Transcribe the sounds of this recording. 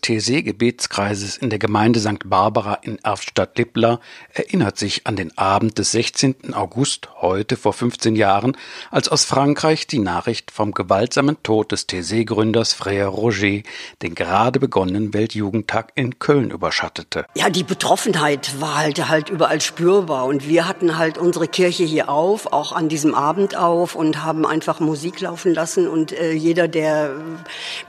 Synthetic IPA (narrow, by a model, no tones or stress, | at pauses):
dstʰezeːɡəbeːtt͡skʁ̥aɪzəsɪndeːɐɡəmaɪndəzaŋk̚tb̥aɐbaʁaʔɪnʔɛɐfʃtatlɪplɐʔɛɐʔɪnɐtz̥ɪça̰ndeːnʔaːbm̩t̚d̥ɛsz̥ɛçt͡seːntn̩a̰ʊɡʊsthɔʏtəfoːɐfʏnft͡seːnjaːʁənʔalsaʊsfʁ̥aŋkʁ̥aɪçd̥iːnaːχʁ̥ɪçtfɔmɡəvaltz̥aːməntʰoːt̚d̥ɛstʰeːzeːɡʁʏndɐsfʁ̥eɪɐʁoʒeːd̥eːnɡəʁaːdəbəɡɔnənənvɛltʰjuːɡŋ̩tʰaːkɪnkʰœlnʔy̰ːbɐʃatətʰəjaːdiːbətʁ̥ɔfn̩ɦaɪtv̥aːɐhaltɦaltʔyːbɐʔalʃpyːɐbaːɐʊntv̥iːɐɦatn̩ɦaltʔʊnzəʁəkʰɪɐçəhiːɐʔaʊfa̰ʊxandiːzəmʔaːbm̩tʔaʊfʊntɦaːbm̩ʔa̰ɪnfaχmuziːklaʊfn̩lasn̩ʊntʔɛːjeːdɐdeːɐ